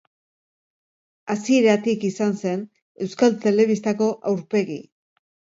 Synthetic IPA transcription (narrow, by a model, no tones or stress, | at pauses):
asieɾat̪ikisanse̞n | e̞wskalt̪e̞le̞βist̪ako̞ʔawɾpe̞ɣi